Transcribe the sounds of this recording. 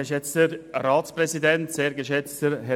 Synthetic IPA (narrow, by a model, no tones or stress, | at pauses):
ʃɛt͡stəɾɾɑːtspɾɛzidɛntseːɾɡəʃɛt͡stəɾɦɛ